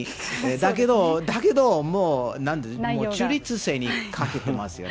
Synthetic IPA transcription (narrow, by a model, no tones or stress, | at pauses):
ed̪ak̬e̞d̪od̪ake̞d̪o̞moːnãnd̪emoːt͡ɕɨːɾʲit͡sɨse̞ːɲ̟ikʰake̞t̪e̞masɨjo̰